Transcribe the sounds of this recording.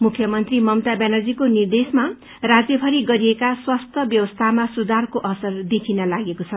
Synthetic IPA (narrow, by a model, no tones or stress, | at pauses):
mukʰjʌmʌnt̪rimʌmt̪abenʌrd͡zikonird̪esma | rad͡zjʌbʱʌɾiɡʌɾiekaswast̪ʰʌbjʌwʌst̪ʰamasud̪ʱarkoʔʌsʌrd̪ekʰinʌlaɡekot͡sʰʌ